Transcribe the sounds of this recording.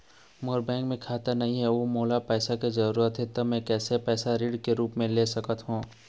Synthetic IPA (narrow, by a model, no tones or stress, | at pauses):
moːɾbɛ̃ːŋkmẽkʰaːt̪əɾnɐɦĩɦɛʋoːmoːlapɛːsaked͡ʒɐɾuːɾət̪ɦɛt̪omɛ̃kɛːsepɛːsaɾiːɖkeɾuːpmẽleːsɐkət̪ɦũː